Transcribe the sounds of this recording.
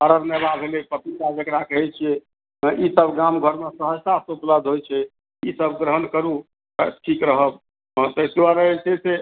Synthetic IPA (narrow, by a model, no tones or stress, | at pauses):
əɾəɾnelabʱelepət̪it̪ad͡ʒekɾakəɦɛt͡ʃʰɛ | isəbɡamɡʱəɾmesəɦəd͡ʒt̪asəupləd̪ʱɦojt͡ʃʰɛ | isəbɡɾəɦənkəɾu | ʈʰikɾəɦəb̚ | t̪əsewaɾəesese